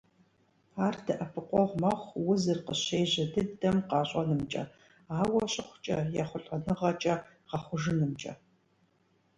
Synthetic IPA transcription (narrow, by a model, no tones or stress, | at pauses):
aːrtʰɨʔɐpʰɨqʷɔʁʷmɐχʷwʊzɨrqəɕeːʑɐdɨdɐmqɑːɕʼɐnɨmt͡ʃʼɐ̰ | aːwɐɕʼɪχʷt͡ʃʼɐ̰jaχʷʊɬʼɐnɨʁɐt͡ʃʼɐ | ʁɑχʷʊʒɨnɨmt͡ʃʼɐ̰